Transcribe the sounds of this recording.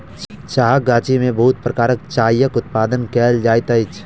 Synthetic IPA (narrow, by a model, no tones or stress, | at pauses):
t͡ʃaːɦaɡaːt͡ʃimẽbɐɦʊt̪̚pɾəkaːɾək̚t͡ʃaːijəkʊt̪̚paːd̪ənkɛːld͡ʒaːjt̪ɐɪt͡ʃ